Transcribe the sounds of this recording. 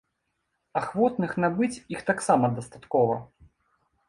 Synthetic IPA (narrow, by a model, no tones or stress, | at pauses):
axvɔt̪nɨxnabɨt͡sʲixt̪aksamɐd̪ɐst̪at̪kɔvɐ